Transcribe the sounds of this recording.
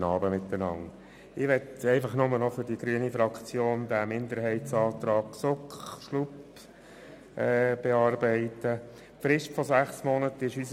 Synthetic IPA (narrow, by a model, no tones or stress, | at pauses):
nɑːbəmɪt̪ːənɑ̰ŋ | ɪʋɛtɛɪfɑχnʊmənɔfʏɾdiɡ̥ɾyənifɾɑkt͡sjoːnd̪æmɪnd̪əɾɦɛɪtsɑːt̪ɾɑːɡsʊkχʃlup | ʔɛːb̥eɑːɾbɛɪt̪ə | fɾɪʃtfɔzæχsmɔnətɪʃys